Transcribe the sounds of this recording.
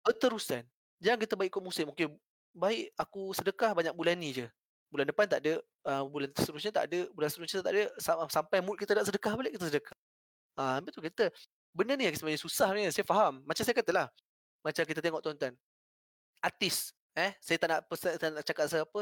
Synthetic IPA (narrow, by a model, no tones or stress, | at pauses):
bət̪əɾusan | d͡ʒaaŋkit̪əbaɪʔkumusɪmuŋkɪn | baɪʔakusədəkahbaɲaʔ̚bulanːid͡ʒə | bulandəpant̪aʔdə | əbulant̪əsəɾusɲət̪a̰ʔdəbulansəɾuskit̪t̪aʔdəsasampajmut̪̚kit̪ədaʔsədəkahbalɪʔkit̪əsədəkḁh | əmbit̪ukit̪ə | bənəniaŋkit̪əmanisusahɲəsajafaɦamːat͡ʃamsajəkat̪əlah | mat͡ʃamk̬it̪ət̪eŋɔʔt̪oont̪an | at̪ɪs | ɛsajət̪aʔnaʔpəst̪anaʔt͡ʃakat̪̚səapə